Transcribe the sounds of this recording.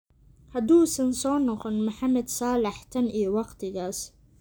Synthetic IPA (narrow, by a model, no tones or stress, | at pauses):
hɐd̪uːsɐnsɔːnɔqɔnmʊħamɐd̪sɑːlɑħt̪ʰɐnʔijɔwɑqt̪ʰɪɣaːs